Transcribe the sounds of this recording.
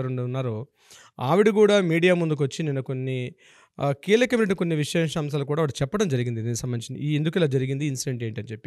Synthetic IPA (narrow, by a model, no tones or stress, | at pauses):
ɐɾuɳɖunːaːɾo | aːʋiɽik̬uːɽaːmiːɽijaːmund̪uk̬ʋɐt͡ʃːininːɐkonːi | kiːlɐkɐmneʈ̬ːiko̞nːiʋiʂɛːʂɐɐms̬aːlukuːɽaːʋːɽt͡ʃɛpːɐɽɐmd͡ʒɐɾiɡind̪id̪iːnusɐmbɐnit͡ʃind̪iend̪ukilaːd͡ʒɐɾiɡind̪iːnsiʈeɳʈe̞ːɳʈɐnt͡ʃepːi